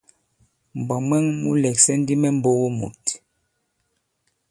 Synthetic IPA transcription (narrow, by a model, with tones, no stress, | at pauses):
m˨bɔ˨mwɛ˦ŋmṵ˦lɛ˨ksɛ˦n˦di˦mɛ˦m̩˦bo˦ɣo˦mṵ˨t